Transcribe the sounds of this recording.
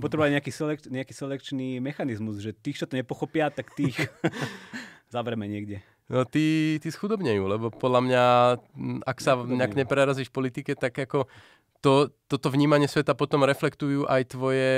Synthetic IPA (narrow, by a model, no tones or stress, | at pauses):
pɔt̪ɾɛbaɲɛakiːsɛlɛkɲɛakiːsɛlɛkt͡ʃniːmɛxanizmuzʒɛt̪ixt͡ʃɔt̪ɔɲɛpɔxɔpɪat̪akt̪ix | zaʋɾɛmɛɲɪɛɡdɛ | nɔt̪it̪isxud̪ɔbɲɛjuːlɛbɔpɔd̪lamɲa | aksaɲakɲɛpɾɛɾaziːʃfpɔlit̪ikɛt̪aɡakɔ | t̪ɔt̪ɔt̪ɔʋɲiːmaɲɪɛsʋɛt̪apɔt̪ɔmɾɛflɛkt̪ujuːʔajt̪ʋɔjɛ